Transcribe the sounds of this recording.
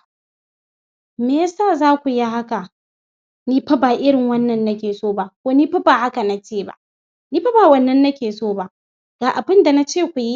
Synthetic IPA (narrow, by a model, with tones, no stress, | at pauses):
meː˦saː˦˨zaː˦kʷu˨ji˦ha˦ka˨ | niː˦ɸɐ˦baː˨ʔɪ˦ɽɪ˨ŋwɐ˦nːɐ˨nːa˦kʲeː˨soː˦ba˦kʷoː˦niː˦ɸɐ˦baː˨ha˦ka˨na˨t͡ʃeː˦˨ba̰˦ʔ | niː˦ɸa˦baː˨wɐ˨nːɐ˦nːɐ˦kʲeː˨soː˦˨ba˦ | ɡ̥aː˨ʔa˨bɪ˦nda˨na˦t͡ʃeː˦˨kʷu˨ji˦